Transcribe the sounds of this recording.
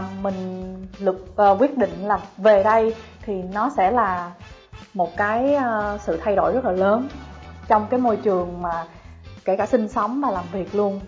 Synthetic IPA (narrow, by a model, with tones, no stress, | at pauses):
mï˨˩ŋ̟lɨ˨˩k̚ʔːkwi˦˥ət̚ɗḭ̈˧˨ŋ̟laː˨˩ve˨˩ɗə˧jt̪ʰi˨˩nɔ˨˦sɛ̰˧˥˩laː˨˩ | mo˨˩t̚kaː˨˦jsɨ̰˧˨t̪ʰa˧jɗo̰˧˩jzə˦˥t̚laː˨˩ləː˨˦nt͡ɕɔ˧wŋ͡mkaː˨˦jmo˧jt͡ɕɨ˨˩əŋmaː˨˩ | ke˧˩kaː˧˩si˧ŋ̟sɔ˨˦wŋ͡mvaː˨˩laː˨˩mvi˨˩ək̚lu˧ən